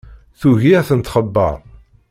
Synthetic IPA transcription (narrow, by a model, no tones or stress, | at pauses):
θuʝiθənt̪χəbːə̰ɾˤ